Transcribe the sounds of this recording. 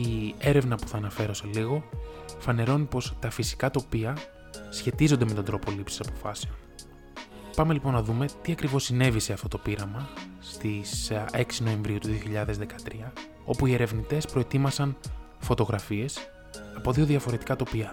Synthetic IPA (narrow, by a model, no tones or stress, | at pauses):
ie̞ɾe̞vnɐpu̥θɐːnɐfe̞ɾo̞seliɣo̞fɐne̞ɾo̞nipo̞st̪ɐfisi̥kɐt̪o̞piɐ | sçe̞t̪izond̪e̞me̞t̪od̪ɾo̞po̞lipsi̥sɐpo̞fɐse̞o̞n | pɐme̞lipo̞nːɐðume̞t̪iɐkɾivo̞sine̞vise̞ɐft̪o̞t̪o̞piɾɐmɐ | st̪ise̞ksino̞e̞ɱvɾiut̪uðio̞çiʎɐðe̞zðe̞kɐt̪ɾiɐ | o̞puie̞ɾe̞vnit̪e̞spɾo̞e̞t̪imɐsɐn | fo̞t̪o̞ɣɾɐfie̞s | ɐpo̞ðio̞ðiɐfo̞ɾe̞t̪i̥kɐt̪o̞piɐ